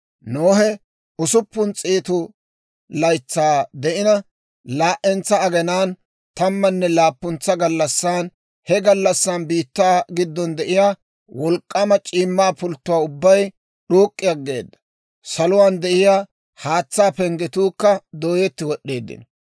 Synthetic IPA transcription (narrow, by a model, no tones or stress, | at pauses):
noːɦɛ | ʊsʊpːʊnt͡sʼiːt̪ʊ | lɐjt͡sːaːd̪ɛʔɪnɐ | laːʔɛnt͡sːɐɐɡɛnaːn | t̪ɐmːɐnːɛlaːpːʊnt͡sːɐɡɐlːɐsːaːn | hɛɡɐlːɐsːaːnbiːt̪ːaːɡɪd̪ːɔnd̪ɛʔɪjaː | wɔlkʼːɐmɐt͡ʃʼiːmːaːpʊlt̪ːʊwaːʊbːɐj | ɗoːkʼːɪjɐɡːe̞̰ːd̪ːɐ̥ | sɐlʊwaːnd̪ɛʔɪjaː | haːt͡sːaːpɛŋɡɛt̪uːkːɐd̪oːjɛt̪ːɪwɔɗːe̞ːd̪ːɪ̰n